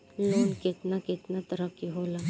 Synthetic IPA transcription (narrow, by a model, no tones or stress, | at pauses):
loːnkɪt̪nakɪt̪nat̪əɾəkːiɦoːlaː